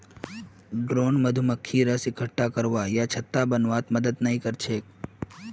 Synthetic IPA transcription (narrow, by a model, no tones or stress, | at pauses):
ɖɾoːnməd̪ʱuməkʰːiɾəsɪkʰəʈːakəɾʋajat͡ʃʰət̪ːabənʋat̪məd̪əd̪nəɦĩkəɾt͡ʃʰeːk